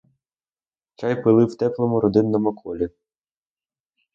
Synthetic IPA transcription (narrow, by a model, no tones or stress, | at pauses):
t͡ʃɑjpɪlˠɪwt̪ɛklˠɔmʊɾɔd̪ɪnːɔmʊkʰɔlʲi